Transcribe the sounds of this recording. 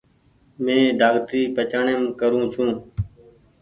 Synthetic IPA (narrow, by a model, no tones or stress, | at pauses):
mẽːd̪ʱaːɡt̪ɾiːpət͡ʃaːɳemkəɾũːt͡ʃʰũː